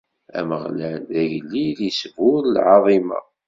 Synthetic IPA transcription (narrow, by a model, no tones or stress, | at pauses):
æ̰məʁlænðæʝlːiðəsvʊɾlʕɑðˤimɑ̰